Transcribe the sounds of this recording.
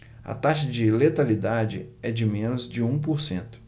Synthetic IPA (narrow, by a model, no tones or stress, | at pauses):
ɐ̰t̪aʃɐd͡ʒɪlet̪alid̪ad͡ʒɪɛd͡ʒɪmẽnʊzd͡ʒɪũpoɾsẽnt̪ʊ̥